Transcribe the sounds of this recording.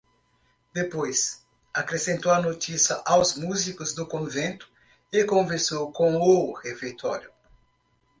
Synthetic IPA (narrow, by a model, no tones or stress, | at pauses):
d̪epojs | akɾesẽnt̪oɐnot̪isjɐʔawzmuzikʊzd̪ʊkõvẽnt̪ʊ̥ | ɪkõveɾsowkõohefeɾt̪ɔ̰ɾju